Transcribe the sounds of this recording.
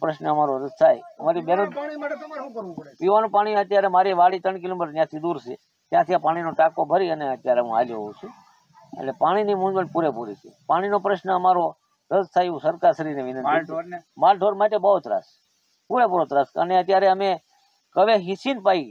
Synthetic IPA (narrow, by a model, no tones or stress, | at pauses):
pɾəʃnəəmaɾoɾəzt̪ʰajəmaɾibenə | piʋanũpaɽ̃iət̪jaɾemaɾiʋaɽit̪əɳkɪlomiʈnjãt̪ʰid̪uɾsḛ | t̪jãt̪ʰiãpaɽ̃inoʈakobʱəɾiəneət̪jaɾeɦũa̰ljo̰ɦoũt͡ʃʰe | ə̰nepaɽ̃inimũd͡ʒbənpuɾepuɾit͡ʃʰepaɽ̃inopɾəʃnəəmaɾo | ɾəzt̪ʰajeʋũsəɾkaɾsəɾineʋɪnənimalʈoɾmaʈebəɦot̪ɾa̰s | puɾepuɾot̪ɾasə̰neət̪jaɾeəme | kəʋeɦĩsinpai